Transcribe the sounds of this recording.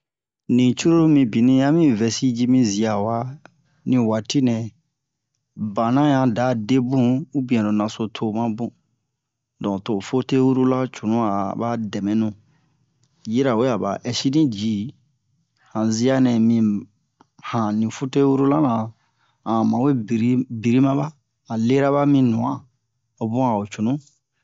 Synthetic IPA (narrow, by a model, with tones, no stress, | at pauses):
nĩ˨t͡ʃu˦ɾo˦ɾo˦mĩ˧bi˨nĩ˦ja˦mĩ˦vɛ˨si˦d͡ʒi˦mĩ˦zi˨a˨wa˦ | nĩ˨wa˨ti˦nɛ̃˨ | bã˨nã˦jã˦da˨˦de˦bũ˦u˦bĩ˨ɛ̃˨do˨nã˨so˨tʰo˦mã˦bũ˦ | dɔ̃˨to˨fo˦te˦wu˦ɾu˦la˦t͡ʃu˨nũ˦a˨ba˦dɛ˨mɛ̃˨nũ˨ | ji˦ɾa˨wo˦a˨ba̰˨ʔɛ˨si˦nĩ˦d͡ʒi˨˦ | hã˨zi˦a˦nɛ̃˨mĩ˨ | hã˨nĩ˨fu˦te˦wu˦ɾu˦la˦nã˨ | ã˨mã˨we˦bɾi˦bi˨ɾi˦mã˦baː˦˨ | le˦ɾa˦βa˦mĩ˦nũ˨ã˦ | o˨bũ˦a˨o˨t͡ʃu˨nũ˦